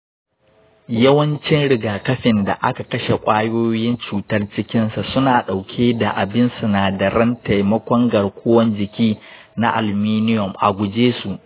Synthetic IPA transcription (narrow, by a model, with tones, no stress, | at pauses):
jɐ˦wɐ˦nt͡ʃɪ˦nɽɪ˨ɡaː˨kɐ˦ɸɪ˨nda̰˨ʔa˦ka˨kɐ˦ʃe˨kʷʼaː˦joː˦jɪ˦nt͡ʃuː˨tɐ˦rt͡ʃɪ˦kʲɪ˦nsa˨sʊ˦naː˨ɗa˨wkʲʰeː˦da˨ʔa˨bɪ˦nsu˨naː˨dɐ˨ɾɐ˦nta˨jmɐ˦kʷɔ˦ŋɡɐ˨rkʷʰoː˦wɐ˦nd͡ʒɪ˨kʲiː˦ | na˦ʔa̰˨lmiː˦nɪ˦jɔ˨mʔa̰˨ɡʷʊ˨d͡ʒeː˦su˨ʔ